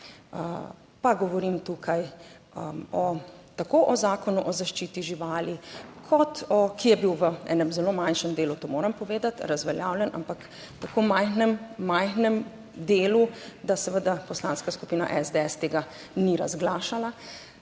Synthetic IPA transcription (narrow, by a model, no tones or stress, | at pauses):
ə | paɡɔʋɔɾimt̪uːkʰaj | ɔt̪akoʔɔzaːkɔnuʔɔzaʃt͡ʃiːt̪iʒiʋaːlikʰɔt̪ɔkijɛbiwʋəɛ̰ːnɛmzɛloːmanʃɛmd̪eːlut̪oːmoːɾɐmpɔʋeːd̪at̪ɾazʋɛljaːwljɛna̰mpak | t̪akoːmajxnɛmːajxnɛm | d̪eːlud̪asɛʋəd̪apɔslaːnskaskupiːna̰ʔɛzd̪eɛst̪eːɡa | niɾa̰zɡlaːʃala